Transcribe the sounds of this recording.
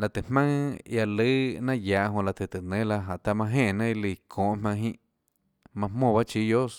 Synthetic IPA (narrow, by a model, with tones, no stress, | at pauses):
la˧˨t̪e˨hmã˦ŋja˧lɨ˦nã˦jaː˨ʔɦõ˧˨la˧˨t̪e˧˨t̪e˨nẽ˨˦la˧ɦa˨ʔt̪a˧mã˧ɦẽː˦˧˨nã˦i˧li˧˨kʰõː˨ʔmã˧ŋɦĩ˦ʔ | mã˧mõː˦˧˨βa˦t͡ʃiː˧˦d̪jo˦s